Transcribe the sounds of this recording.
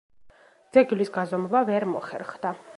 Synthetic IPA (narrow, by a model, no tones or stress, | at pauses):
d̪z̥ɛɡilisɡazɔmɔbavɛɾmɔ̰χɛ̰ɾχd̪a